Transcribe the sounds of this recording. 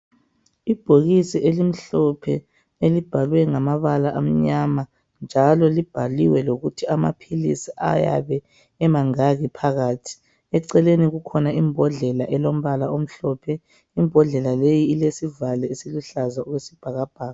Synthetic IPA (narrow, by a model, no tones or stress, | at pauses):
ib̥ʱoɣisiʔelim̩ɬɔpʰɛ | elib̥ʱalwɛŋamaβalaʔam̩ɲama | nd͡ʒʱalɔlib̥ʱaliwɛloɣutʰiama̰pʰilḭsiʔa̰ja̰βɛ | ɛmaŋaɣipʰaɣaːtʰi̥ | ɛǀɛleniɣukʰɔnaimbʱɔɮɛlaʔɛlom̩βalaom̩ɬɔpʰɛ | imbʱɔɮɛlalejiːlesivalɛisiluɬazauɣwesib̥ʱaɣab̥ʱaːɣa